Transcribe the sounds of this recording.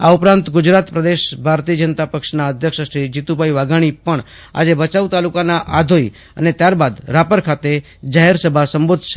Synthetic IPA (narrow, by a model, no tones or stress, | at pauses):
aupɾãnt̪ɡʊd͡ʒɾat̪pɾəd̪eʃbʱaɾt̪iəd͡ʒənt̪apəkʃnaəd̪ʱjəkʃəsɾid͡ʒit̪ubʱaiʋaɡaɽ̃ipəɳ | a̰d͡ʒebət͡ʃaut̪alukanaʔad̪ʱoi | ə̰net̪jaɾbad̪ɾapəɾkʰat̪e | d͡ʒaɦeɾsəbʱasəmbod̪ʱʃe